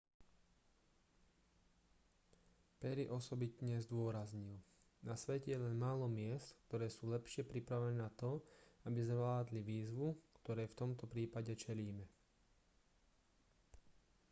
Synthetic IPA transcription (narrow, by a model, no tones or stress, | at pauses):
pɛɾiʔɔsɔbit̪ɲɛzd̪ʊɔɾazɲil | nasʋɛcɛjɛlɛnmaːlɔmɪɛst̪k̚t̪ɔɾɛːsuːlɛpʃɪɛpɾipɾaʋɛnɛːnat̪ɔabizʋlaːd̪liʋiːzʋukt̪ɔɾɛːft̪ɔmt̪ɔpɾiːpaɟɛt͡ʃɛliːmɛ